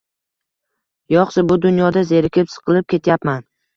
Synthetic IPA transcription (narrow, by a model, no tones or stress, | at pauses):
jɒχsabʊd̪ʊnjɒd̪aze̞ɾɪkʲʰɪpsɨ̥qʰɨlˠɪp̚kʲe̞t̪ʰjapman